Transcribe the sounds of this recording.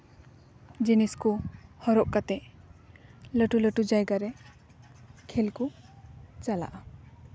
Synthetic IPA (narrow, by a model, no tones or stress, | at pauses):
d͡ʒiniskuhɔɾɔʔkat̪ɛʔ | ləʈuləʈud͡ʒajɡaɾɛ | kʰelku | t͡ʃala̰ʔa